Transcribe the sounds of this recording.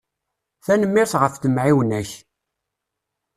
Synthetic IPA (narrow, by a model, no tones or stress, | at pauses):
θænəmːɪɾθʁəfθəmʕiwənæç